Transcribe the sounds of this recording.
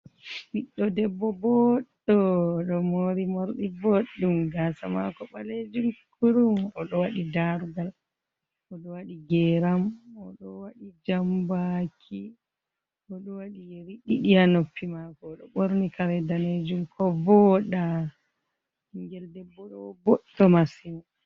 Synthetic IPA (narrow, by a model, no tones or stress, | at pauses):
ɓiɗːɔdɛbːɔbɔɗɔɗɔmoɾimoɾɗiboɗːumɡasa̰ma̰kɔɓaled͡ʒumkʰuɾumɔɗɔwaɗidaɾɡal | ɔɗɔwaɗiɡɛɾamɔɗɔwaɗid͡ʒambakʰi | ɔɗɔwaɗijeɾiɗiɗijanopʰːimakɔɗɔɓoɾnikaɾɛdaned͡ʒumkʰɔbɔɗa | iŋɡɛldɛbːɔɗɔbɔɗːɔmasinu